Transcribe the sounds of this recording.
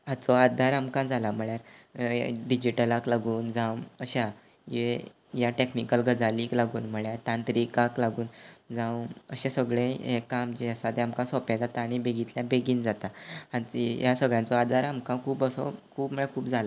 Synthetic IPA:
at͡sɔad̪ʱaɾamkãd͡zalam̤əɭjaɾ | ɖid͡ʑiʈəlaklaɡuːnd͡zãwəɕa | e | jaʈeknikəlɡəd͡zaliːklaɡuːnm̤əɭjaɾt̪ãnt̪ɾikaklaɡuːnd͡zãw̃ə̰ɕẽsəɡɭẽekːamd͡ʑiəsat̪eamkãsɔpãd͡zat̪aːɽ̃ibeɡit̪ljabeɡiːnd͡zat̪aãjasəɡɭjãnt͡sɔad̪ʱaɾamkãkʰuːpəsɔ̰kʰuːpm̤əɭakʰuːpd͡zʱala

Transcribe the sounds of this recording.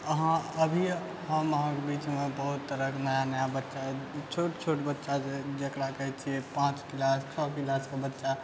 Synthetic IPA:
əɦãəbʱi | ɦə̃məɦãkebit͡ʃmẽbəɦut̪ːəɾəknəjanəjabətːʃat͡ʃʰoʈt͡ʃʰoʈbətːʃaed͡ʒekɾakəɦɛt͡ʃʰiepãːt͡ʃkilast͡ʃʰɔkilaskebətːʃa

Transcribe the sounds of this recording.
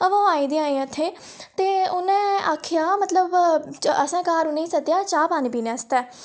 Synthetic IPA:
əʋãːaːiːd̪ĩãːĩət̪ʰːeː | t̪eːʊnɛ̃ːaːkʰːɪjaːmət̪ləbəsãːkaːɾuneĩːsət̪jaːt͡ʃaːpaːnipiːnɛ̃ːst̪ɛː

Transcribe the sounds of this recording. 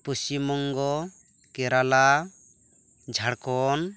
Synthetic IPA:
pust͡ʃimɔŋɡɔ | kɛɾala | d͡ʒʱaɽkɔn

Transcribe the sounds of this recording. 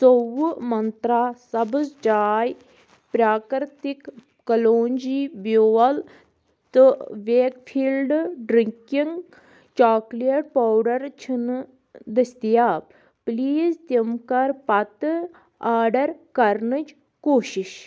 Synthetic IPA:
sowumɐnt̪ɾaːsɐbɨzd͡ʒaːj | pɾaːkɾt̪ikː | ɐloːnd͡ʒibjoɐl | t̪ɨʋeːkfʰiːlɖɖɾiŋkiŋɡ | t͡ʃaːkliɐʈ̚paːwɖɐɾt͡ʃʰin | d̪ɐst̪ijaːb | pliːzt̪jimkɐɾpɐt̪ | aːɖɐɾkɐɾnɨt͡ʃ | koːʃiʃ

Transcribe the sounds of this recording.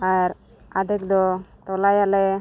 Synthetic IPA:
aɾ | ad̪ɛk̚d̪ɔt̪ɔlajalɛ

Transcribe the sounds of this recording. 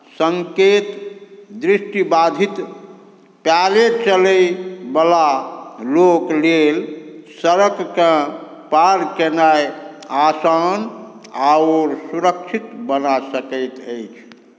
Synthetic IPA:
səŋket̪d̪ɾisʈibad̪ʱit̪ | pjalet͡ʃələjbəlaloklelsəɾəkːə̃paɾkenajasan | aoɾsuɾək̚t͡ʃʰit̪bənasəkəjt̪əjt͡ʃʰ

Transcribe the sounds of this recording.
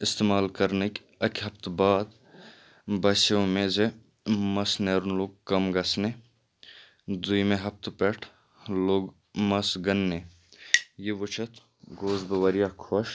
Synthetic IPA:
ɪst̪eːmaːlkɐɾnek | ɐkʰɦɐpt̪baːd̪ | bɐseõmẽːze | mɐsneːɾnloːɡ̚kɐmɡɐsne | d̪uimẽɦɐpt̪pɛʈʰ | loːɡ | mɐsɡɐnːe | jeʋʊt͡ʃʰɐt̪ʰ | ɡoːzbɐʋɐɾijakʰoʃ

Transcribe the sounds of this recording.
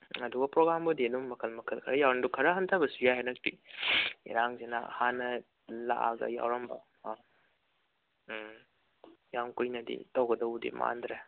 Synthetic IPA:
ɐduɡɐpɾoɡɾambudiɐnumːɐkʰɐlmɐkʰɐlkʰɐɾɐjawɾɐndukʰɐɾɐɦɐntʰabɐsujajɦanɐk̚tḭ | ḭɾaŋzena̰hanːɐ | la̰ʔa̰ɡɐ̰ja̰wɾɐmbɐ̰ | jaŋkujnɐdḭtɐwɡɐdɐwdḭma̰ndɾe

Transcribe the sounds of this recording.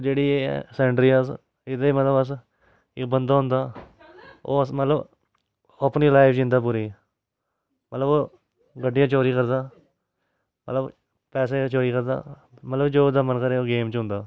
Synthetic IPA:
d͡ʒeːɽiːḛsɛːɳʈɾiːəs | ɪd̪emət̪ləbəs | ɪbənd̪aːɦʊ̃nd̪aː | o̰ːsmət̪ləb | əpniːlaːɪfʰd͡ʒɪ̃nd̪aːp̬uːɾiː | mət̪ləboː | ɡəɖːijãːt͡ʃoːɾiːkəɾd̪aː | mət̪ləb | pɛːs̬eːt͡ʃoːɾiːkəɾd̪a̰ː | mət̪ləbd͡ʒoːd̪aːmənkəɾeːoːɡeːmt͡ʃɦʊ̃nd̪aː

